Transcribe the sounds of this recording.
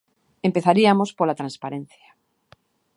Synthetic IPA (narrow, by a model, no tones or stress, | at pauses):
empeθaɾiamospolat̪ɾanspaɾẽn̟θjḁ